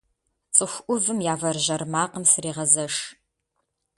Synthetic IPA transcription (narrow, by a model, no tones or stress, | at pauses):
t͡sʼɨxʷʔʷʊvɨmjaːvɐrʒɐrmaːqəmsɨɾiːʁɐzɐʂ